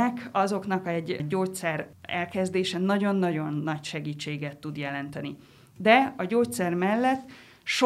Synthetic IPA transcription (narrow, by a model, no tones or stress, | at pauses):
ɛkɒzo̞knɒkɛɟːoːt̪sɛrɛlkɛzd̪eːʃɛnɒɟo̞nːɒɟo̞nːɒcʃɛɡiːt͡ʃːeːɡɛt̪ːud̪jɛlɛnt̪ɛni | d̪ɛɒɟoːt̪sɛrmɛlːɛt̪ː | ʃo